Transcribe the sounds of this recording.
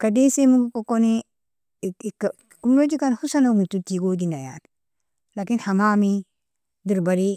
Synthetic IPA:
kadesemuɡukokoni | kkumɾod͡ʒikanhusanamututiɡoɡinajat | lakinhamami | diɾbaɾi

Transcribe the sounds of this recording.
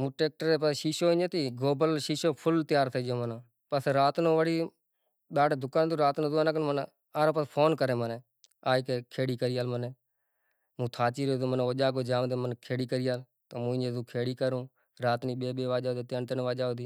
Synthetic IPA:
mũːʈeːk̚ʈəɾeːpəʃiːʃoːɪ̃ɲd͡ʒeːt̪iːɡoːbəlʃiːʃoːpʰʊlt̪ɪjaːɾt̪ʰəːd͡ʒoːmənãː | pəsɾaːt̪nõːʋəɽiː | ɗaːɖeːd̪ʊkaːnd̪õːɾaːt̪nõːzʊaːnaːknːmən | aːɾoːpəspʰoːnkəɾeːməneː | aːikeːkʰeːɽiːkəɾɪjaːlməneː | mũːt̪ʰaːt͡ʃiːɾoːd̪oːmənːoːd͡ʒaːkoːd͡ʒaːnd̪eːmənkʰeːɽiːkəɾɪjaːl | t̪oːmũːɪ̃ɲd͡ʒeːzuːkʰeːɽiːkəɾũː | ɾaːt̪niːɓeːɓeːʋaːd͡ʒaːd̪eːt̪ent̪ənːʋaːd͡ʒaːoːd̪iː

